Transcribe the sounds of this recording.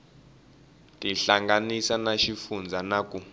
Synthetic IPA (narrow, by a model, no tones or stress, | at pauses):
tʼiɬaŋɡanisanaʃifund͡zʱanakʼu